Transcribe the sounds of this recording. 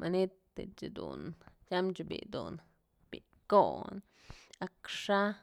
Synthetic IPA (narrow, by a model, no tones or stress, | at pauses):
manit̪ːet͡ʃid̪ṵnjamt͡ʃubḭd̪un | b̥i | kon | akʂa